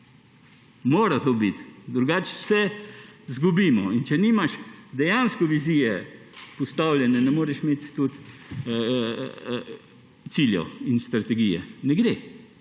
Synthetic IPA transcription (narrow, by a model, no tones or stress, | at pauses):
moːɾat̪obit̪d̪ɾuɡat͡ʃsɛzɡubimɔ̰int͡ʃɛnimaʃd̪ɛjanskɔʋiziːjɛ | pɔst̪awlʲjɛnɛnɛmoːɾɛʃmet̪ːut̪ | siljɛ̰winst̪ɾat̪ɛɡijɛ̰nɛɡd̪e